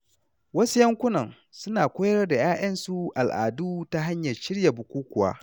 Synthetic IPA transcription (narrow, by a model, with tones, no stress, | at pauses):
wɐ˦su˦jɐ˦ŋkʷʊ˦nɐ˨ŋ | sʊ˦naː˨kʷoː˦jɐ˦rda˨jaː˦ʔɐ˦nsu˦ʔa˨lʔa̰ː˨duː˦ta˦ɦa˦ɲjɐ˨ʃɪ˦ɽja˨bʊ˨kʷuː˦kʷʊ˨wa̰ː˦